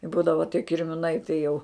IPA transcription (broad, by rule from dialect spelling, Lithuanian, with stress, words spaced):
ɪ ˈbuːdɐʋɐ tʲiɛ kʲɪrʲmʲɪˈnɐɪ tɐɪ jɛʊ